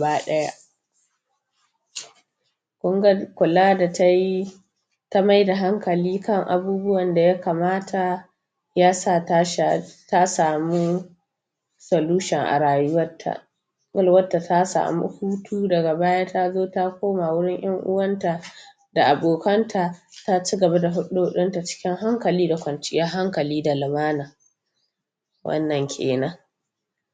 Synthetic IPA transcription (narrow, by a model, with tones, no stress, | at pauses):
baː˦ɗɐ˦ja̰˦ʔ | kʷʊ˦ŋɡɐ˦kʷʊ˨laː˦da˨ta˦ji˦ | ta˦ma˦jda˨ɦa˦ŋkɐ˨liː˦kɐ˦ŋʔa̰˨buː˦bʊ˦wɐ˨nda˨ja˦kaː˨maː˦tʰa˨ | jaː˦saː˦˨a˦ʃa˨ta˦saː˨mu˦ | sɐ˨luː˦ʃɛ˨ŋʔa̰˨ɽaː˨jʊ˦wɐ˦tʰːa̰˨ | ɡɐ˦lwɐ˦tːa˨tʰa˦sa̰ː˨mṵ˦huː˦tʰuː˦dɐ˨ɡa˨baː˦jaː˦ta˦zoː˦ta˦kʷoː˦ma˨wʊ˦ɽɪ˦ŋj̰ɐ˦ŋʔʊ̰˦wɐ˦nta˨ | da˨ʔa˨boː˨kɐ˦ntʰa˨ta˦t͡ʃi˦ɡɐ˨ba˦da˨ɦʊ˦ɗu˦hʊ˦ɗʊ˦nta˨t͡ʃɪ̥˦kʲɪ˦ŋɦa˦ŋkɐ˨liː˦da˨kʷɐ˨nt͡ʃɪ˦ja˦ɦa˦ŋkɐ˨liː˦da˨lɪ˨maː˦naː˨ | wʔɐ̰˦nːɐ˨ŋkʲʰḛː˨nɐ˦ŋ